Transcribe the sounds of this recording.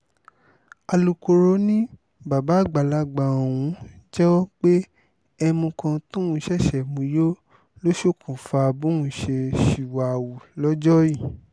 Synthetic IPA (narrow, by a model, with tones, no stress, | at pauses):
a˧lu˧ko˧ɾo˧˦nĩ˦ | ba˨ba˨˦˨ɡ͡ba˨la˨˧ɡ͡ba˨o˨w̃ũ˨˦d͡ʒɛ˦wɔ˦k͡pe˦ | ɛ˧mũ˧kã˧tũ˦ũ˧˦˨ʃɛ˦˨ʃɛ˨mũ˧jo˦ | lo˦ʃo˦˨kʰũ˨fa˧bũ˦ũ˦˨ʃe˧ʃi˨wa˨wu˨lɔ˦d͡ʒɔ˦ji˦˨